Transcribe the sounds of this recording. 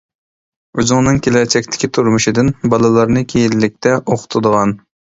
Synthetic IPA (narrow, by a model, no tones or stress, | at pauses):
uzʊŋnɨŋkʲʰelɛɾt͡ʃʰɛkʲt̪ʰɪ̥kʲit̪ʰuɾmuʃid̪ɨnbɑlˠɨlˠɑɾnɨkʲʰejilːɪk̚ʲt̪ʰɛʔoqʰʊ̥t̪ʰʊd̪əʁɑn